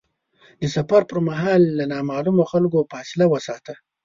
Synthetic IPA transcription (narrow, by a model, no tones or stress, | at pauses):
d̪əsafaɾpəɾmaɦɑːlːanɑmɑːlumoxalkopɑsɪlawəsɑːt̪ə